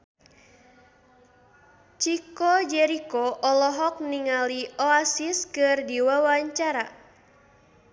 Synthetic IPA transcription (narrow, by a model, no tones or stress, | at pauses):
t͡ʃikɔd͡ʒɛɾikɔʔɔlɔɦɔk̚niŋaliɔasiskɨrdiwawaɲt͡ʃaɾa